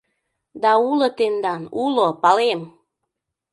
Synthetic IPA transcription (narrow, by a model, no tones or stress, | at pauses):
d̪ɑulɤt̪end̪ɑnulopɑlem